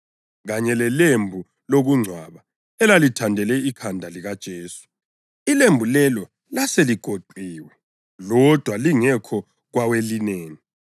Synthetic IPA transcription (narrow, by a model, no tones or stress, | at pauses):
ɣaɲɛlɛlembʱu | loɣuŋ͡ǀʱwaβa | ɛlalitʰandʱɛlɛikʰandʱaliɣad̥ʒ̥ʱeːsu̥ | ilembʱulɛlɔ | laseliɡ̥ʱoǃʱiːwɛ | lɔd̥ʱwaliŋɛkʰɔ | ɣwawelineːni